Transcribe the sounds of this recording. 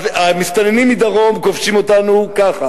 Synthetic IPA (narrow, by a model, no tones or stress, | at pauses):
vamist̪anenimːid̪aʁo̞mkofʃimo̞t̪anukaχa